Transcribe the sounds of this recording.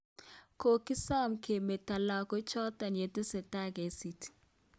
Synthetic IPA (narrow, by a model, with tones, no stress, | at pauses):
ko˨ki˦sa˦˨mke˨me˨ta˨la˨kɔ˨˦t͡ʃɔ˦ta˨ne˨te˦sɛ˨ta˦ɡe˨˦si˨ti̥˨